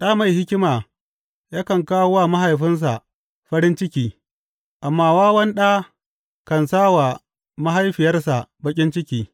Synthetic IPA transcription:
ɗaː˦ma˨jhɪ˦kʲɪ˦maː˨ | jaː˦kɐ˨ŋkaː˦wwa˦ma˦ɦa˨jɸɪ˦ns̬a˨ | ɸɐ˦ɾɪ˦nt͡ʃɪ˦kʲiː˦ | ʔa˨mːaː˦˨waː˦wɐ˦nɗa˦ | kɐ˨nsaː˦wa˨ | ma˦ɦa˦jɸɪ˨jɐ˦rsa˨bɐ˦kʲʼɪ˦nt͡ʃɪ˦kʲiː˦

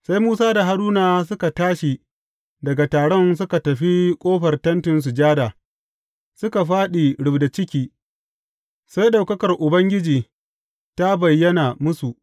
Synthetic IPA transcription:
sa˦jmuː˦saː˦da˨ɦa˦duː˦naː˨s̬ʊ˦ka˨taː˦ʃi˨ | dɐ˨ɡa˨taː˨ɽɔ˦ns̬ʊ˦ka˨tɐ˨ɸi˦kʷʼoː˦ɸɐ˨rtɐ˦ntɪ˨ns̬u˨d͡ʒaː˦daː˨ | sʊ˦ka˨ɸaː˦ɗi˨ɽʊ˨bda˨t͡ʃɪ˦kʲiː˦ | sa˦jɗa˨wkɐ˦kɐ˨rʔʊ˨bɐ˦ŋɡʲɪ˦d͡ʒiː˨ | ta˦bɐ˨jːɐ˦na˨mʊ˦su˨ʔ

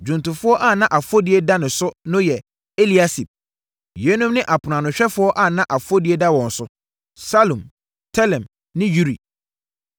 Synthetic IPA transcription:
d͡ʑᶣũ˨ntʊ̃˨fʊ˦ɔ˦ʔa˦˨nã˦ʔa˨fʊ˦o˦di˨˦e˦da˦nʊ̃˨sʊ˦nʊ̃˦jɛ˨ | e˦li˨a˦si˨p̚ | je˨˦nũ˦mnɪ̃˦ʔa˨pʰʊ˨nã˨nʊ̃˨ɕᶣɛ˦fʊ˦ɔ˦ʔa˦˨nã˦ʔa˨fʊ˦o˦di˦e˦da˦wɔ̃˨n̩˨sʊ˦ | sa˦lũ˨m | tʰɛ˦lɛ̃˨m | nɪ̃˦ju˦ɾḭ˨

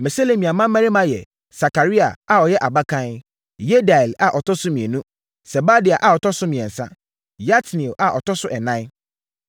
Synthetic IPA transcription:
mɛ˨se˦le˨mĩ˨a˨mã˦mæ̃˦ɾi˦mã˦jɛ̰˨ | sa˨ka˨ɾi˦a̰˨a˨ɔ˨jɛ˦ʔa˨ba˦kʰã˦n | je˦da˨ɛ˨la˨ʔɔ˨tʰɔ˦sʊ˦mĩ˨e˨nũ˦ | sɛ˨ba˦dɪ˨a˨ʔa˨ɔ˨tʰɔ˦sʊ˦mĩ˨ɛ̃˨n̩˨sã˦ | ja˦tnĩ˨ʔa˨ʔɔ˨tʰɔ˦sʊ˦ʔɛ˨nã˦

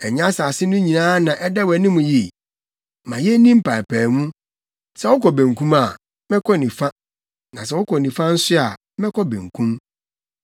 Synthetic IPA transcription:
ɛ˨ɲã˦sa˨sɪ˦nʊ̃˦ɲĩ˨nãː˦nã˨ʔɛ˦da˦wæ˨nɪ̃˦mũ˨ji˨ | mã˨jɛ˦nĩ˦m̩˦pʰã˨pʰæː˨nũ˦ | sɛ˦wɔ˦kɔ˨bẽ˨ŋ˨kʰũ˦ma˨ | mɛ̃˦kʰɔ˦nĩ˨fa˦ | nã˨sɛ˦wɔ˦kʰɔ˨nĩ˨fã˦n̩˦sɪ˦a˨˦mɛ̃˦kʰɔ˦bḛ̃˨ŋ˨kʰũ˦m

